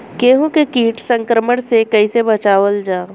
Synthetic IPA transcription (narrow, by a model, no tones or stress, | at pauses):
keːɦũkekiːʈsə̃ŋkɾəməɽ̃sekɐisebɐt͡ʃaːʋəld͡ʒaː